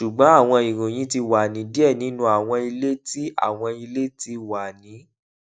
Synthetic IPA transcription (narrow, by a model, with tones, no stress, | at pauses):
ʃu˨ɡ͡bɔ̃˨˦a˦˨w̃ɔ̃˧i˨ɾũ˨j̃ĩ˨˦ti˧wa˨nĩ˨˦di˦ɛ˦˨nĩ˨˦nũ˧˦a˨w̃ɔ̃˧i˧le˦ti˦a̰˦˨w̃ɔ̃˧i˧le˦ti˧wa˨nĩ˨˦